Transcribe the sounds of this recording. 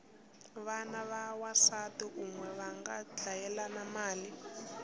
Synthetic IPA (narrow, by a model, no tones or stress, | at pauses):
βanaβawasatuʔumwɛβaŋɡad͡ɮajɛlanamaːli